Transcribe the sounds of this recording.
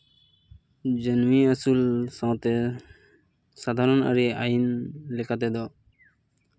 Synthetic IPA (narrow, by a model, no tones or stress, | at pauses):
d͡ʒənmiasulsawt̪e | sad̪ʱaɾɔna̰ɾiajinlɛkʰat̪̬ɛd̪ɔ